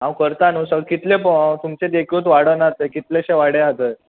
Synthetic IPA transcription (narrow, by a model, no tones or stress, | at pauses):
ɦãwkəɾt̪anusəkit̪lepət̪umt͡sed̪ekʰuːt̪ʋaɽənaɾt̪ekit̪leɕeʋaɽeat̪e